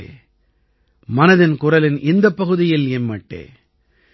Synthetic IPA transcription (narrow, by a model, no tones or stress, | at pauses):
mɐnɐðɪnkʊɾɐlɪnʔɪnd̪ɐpːɐɣɯðɪjɪlɛmmɐʈːḛː